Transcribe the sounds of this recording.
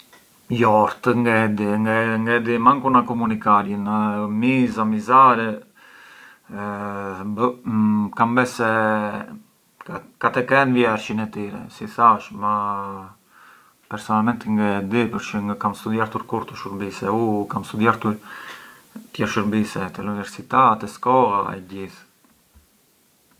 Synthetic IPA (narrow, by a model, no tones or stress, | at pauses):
jɔɾt̪əŋɡɛd̪iŋɡaŋɡɛd̪imaŋkunakɔmunikaɾjənmizamizaɾɛ | b | kambɛsɛ | kat̪ɛkɛnvjɛɾʃinɛt̪iɾɛ̰sisaʃma | pɛɾsɔnalmɛnt̪iŋɡəd̪ipəɾʃəŋɡəkamst̪ud̪jaɾt̪uɾkuɾt̪əʃəɾbisɛukamst̪ud̪jaɾt̪uɾ | t̪jɛɾʃəɾbisɛt̪ɛunivɛɾsit̪at̪ɛskɔlaɛ̰ɟiθ